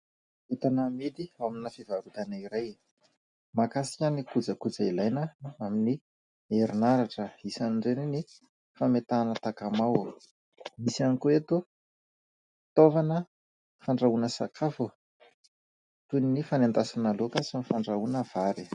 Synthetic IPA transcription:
et̪anəmid̪iaminəfivaɾut̪anaiɾaj | makasi̥kʲanikud͡zəkud͡zailajnəamini | eɾinaɾaʈ͡ʂəisaniɳɖ͡ʐenini | famet̪aːnət̪akamaw | misianikoet̪u | t̪ovanə | faɳɖ͡ʐaunəsakʰafu | t̪uninifanend̪asanalokasinifaɳɖ͡ʐaunəv̥aɾi

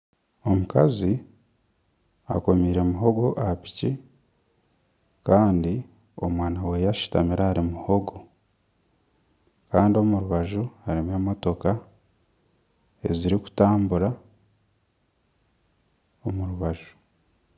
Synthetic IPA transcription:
o̞mukazi | a̰ko̞miːɾe̞muɦo̞ɡo̞ʔapi̥ci | kaːndi | o̞mwaːnawe̞jaʃu̥tamiɾaaɾimuho̞ɡo̞ | kaːndio̞muɾuβaʒuhaɾimemo̞to̞ka | e̞ziɾiku̥taːmbuɾa | omuɾuβaʒu̥

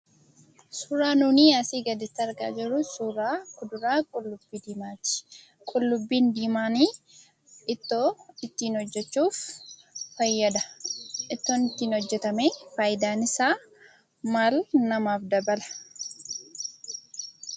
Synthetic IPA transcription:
suːɾaːnuːniːaːsiːɡɐd̪ɪt̪ːɐɾɡa̰ːd͡ʒɪɾʊsuːɾaːkʊd̪ʊɾaːkʼʊlːʊbːiːd̪iːmaːt̪ɪ̥ | kʼʊlːʊbːiːnd̪iːmaːniː | ɪt̪ːoːɪt̪ːiːnhɔd͡ʒːɛt͡ʃːuːfː | ɐjːɐd̪ɐʔɪt̪ːoːnɪt̪ːiːnhɔd͡ʒːɛt̪ɐmeːfaːjɪd̪aːnɪsaː | maːlnɐmaːfd̪ɐbɐlɐ̥

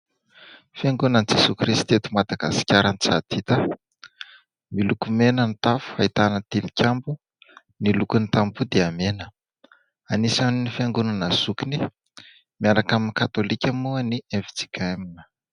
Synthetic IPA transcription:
fiaŋɡunanid͡zesukrist̪et̪umad̪aɡa̰si̥kʲaɾanit͡sa̰d̪̥it̪ə | milukumenənit̪afu̥hait̪anət̪ilikʲambu | nilukunit̪ambud̪eamenə | anisaninifiaŋɡunanaz̥ukini | miaɾakaminikat̪olikʲamuənievid͡zi̥kaminə̥

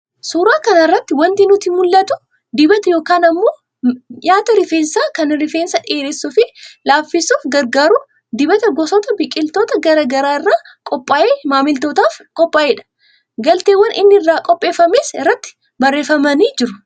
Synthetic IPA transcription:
suːɾaːkɐnɐɪrːɐt̪ːɪwɐnt̪ɪnʊt̪imʊlːɐt̪ʊ | d̪ɪbɐt̪ɐjo̞ːkaːnɐmːo̞ː | jaːt̪ɐɾɪfeːnsaːkɐnɾɪfeːnsɐᶑeːɾeːsːʊfɪlaːfːɪsuːfɡɐɾɡaːɾʊ | d̪ɪbɐt̪ɐɡɔsɔt̪ɐbɪkʼːɪlt̪oːt̪ɐɡɐɾɐɡɐɾaːɪrːaː | kʼɔpʼːaːʔeːmaːmɪlt̪oːt̪aːfkʼɔpʼːaːʔeːᶑɐ̥ | ɡɐlt̪eːwːɐnʔɪ̰nːɪɪrːaːkʼɔpʼːe̞ːfɐmeːsɪrːɐt̪ːɪ̥ | bɐrːe̞ːfɐmɐniːd͡ʒɪɾʊ

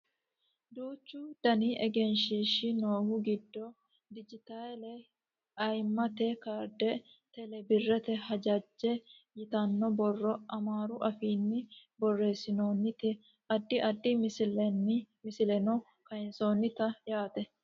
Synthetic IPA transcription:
d̪uːt͡ʃːʊd̪̥ɐniʔɛɡɛnʃiːʃɪnoːhʊɡɪd̪ːɔ | d̪ɪd͡ʒɪt̪alɛ | ɐjmːɐt̪ɛkaːɾd̪ɛ | t̪ɛlɛbɪrːɛt̪ɛhɐd͡ʒɐd͡ʒːɛ | jɪt̪ɐnːɔbɔrːɔʔɐmaːɾʊʔɐfiːnːɪbɔrːe̞ːsɪnoːnːɪt̪ɛ | ɐd̪ːɪʔɐd̪ːɪmɪsɪlɛnɪmɪsɪlɛnɔ | kɐjnso̞ːnːɪt̪ɐjaːt̪ɛ

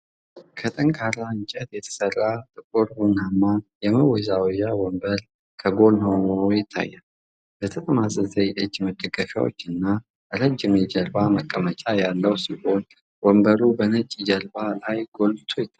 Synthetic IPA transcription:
kʰət̪ʼəŋkʰaɾaɨnt͡ʃʼɛt̪jɛt̪ʰə̥sərːat̪ʼɨkʼuɾbunamːajɛməwɔzawjawɔmbəɾ | kʰəɡo̞nhonojɪt̪ʰːa̰jːal | bət̪ʰət̪ʼəmasʼəzəjʔɨd͡ʒːməd̪ːəɡəfja̰wo̰t͡ʃːɨnːa | ʔɨɾəd͡ʒːɪmjɪd͡ʒəlbaməkʼːəmət͡ʃʼajalːəwsiho̞n | wɔmbəɾubənət͡ʃʼɪd͡ʒəlbalajɡ̥o̞lbt̪ʰojɪt̪ʰːa

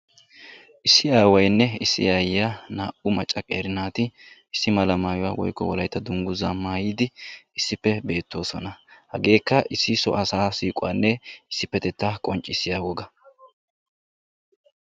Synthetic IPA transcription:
ʔɪsːɪaːwɐjnːɛɪsːɪ̰jaːjɪjanaːʔʊmɐt͡ʃʼːɐkʼḛːɾɪnaːt̪ɪɪsːɪmɐlɐmaːjʊwa̰ːwɔ̰jkːɔ̰wɔlɐjt̪ːɐd̪ʊŋɡʊzamaːjiːd̪ɪɪsːɪpːɛbe̞ːt̪ːo̞ːsɔnɐhɐɡe̞ːkːɐʔɪsːɪsɔ̰ʔɐsaːsiːkʼwa̰ːnːɛɪsːɪpːɛt̪ɛt̪ːakʼɔnt͡ʃʼːɪsːɪjaːwɔɡɐ

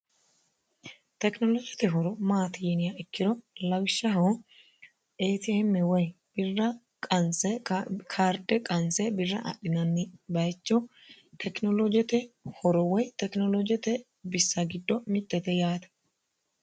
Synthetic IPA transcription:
t̪ɛknɔlɔd͡ʒɛt̪ɛɦɔɾɔmaːt̪ɪjɛnɪjaɪkːɪɾɔlɐwʃːɐɦɔ | eːt̪ɪɛmːɛwɔj | b̥ɪrːɐ | kʼɐnsɛkʰaːɾd̪ɛkʼɐnsɛbɪrːɐʔɐ̰ɗɪnɐnːɪbɐjt͡ʃːɔ | t̪ʰɛknɔlɔd͡ʒɛt̪ɛhɔɾɔwɔjt̪ɛknɔlɔd͡ʒɛt̪ɛ | bɪsːɐɡɪd̪ːɔmɪt̪ʼːɛt̪ɛjaːt̪ɐ̥

